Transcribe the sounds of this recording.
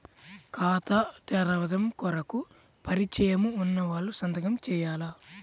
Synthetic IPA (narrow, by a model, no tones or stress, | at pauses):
kaːt̪ɐʈ̪ɛɾɐʋɐd̪ɐmkɔɾɐku | pɐɾit͡ʃɐjɐmuːnːɐʋaːɭːusɐnd̪ɐɡɐmt͡ʃɛːjaːla